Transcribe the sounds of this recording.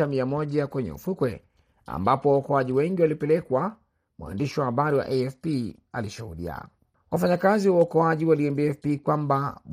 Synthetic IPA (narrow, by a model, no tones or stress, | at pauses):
amiamɔʄakwɛɲɛ̰ṵfukwɛ̰ | a̰mbapɔwaɔkɔaʄiwɛŋɡiwalipɛlɛkwa | mwa̰ndiʃiwahaɓaɾiwa̰ʔɛɛfpi | a̰liʃuhuɗḭa̰ | wafaɲakaziwaɔkɔaʄiwaliɛmbiɛfpikwamba